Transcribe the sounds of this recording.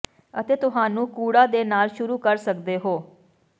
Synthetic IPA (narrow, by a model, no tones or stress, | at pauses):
ət̪eːt̪ʊɦaːnũːkuːɽaːd̪eːnaːlʃʊɾuːkəɾsəkd̪eːɦoː